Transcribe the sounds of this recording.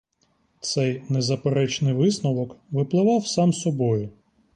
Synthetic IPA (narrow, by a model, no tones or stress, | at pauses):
t̪sɛjnezɐpeɾɛt͡ʃnɪjʋɪsnɔʋɔkʋɪplˠɪʋɑwsɑmsɔbɔjʊ